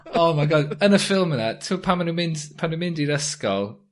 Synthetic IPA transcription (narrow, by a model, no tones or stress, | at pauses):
oːmajɡɔdənəfɪlˠmənatʰuːpʰamanumɪndpʰanumɪndiɾəskɔ̰lˠ